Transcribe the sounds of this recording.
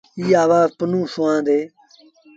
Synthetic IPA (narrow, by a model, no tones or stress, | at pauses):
iːaːʋaːpənũːsʊãːd̪eː